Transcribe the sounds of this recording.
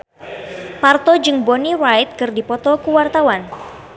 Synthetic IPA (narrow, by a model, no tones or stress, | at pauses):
part̪ɔd͡ʒɨŋbɔnirajt̪̚kɨrdipɔt̪ɔkuwart̪awan